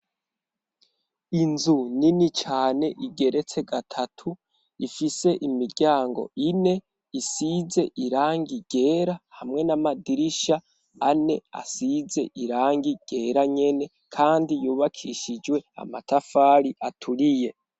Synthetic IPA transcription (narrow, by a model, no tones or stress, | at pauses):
inzuninit͡ʃaːne̞ʔiɡe̞ɾe̞t͡se̞ɡatʰatʰu | ifise̞ʔimiɾɟaːŋɡo̞̰ine̞ | isize̞ʔiɾaːŋɡiɡ̥e̞ːɾahamŋe̞namadiɾiʃa | ane̞a̰size̞ʔiɾaːŋɡiɡ̥e̞ːɾaɲe̞ne | kʰaːndijuːβakʰiʃid͡ʒwe̞a̰matʰafaːɾiʔatʰuɾije̞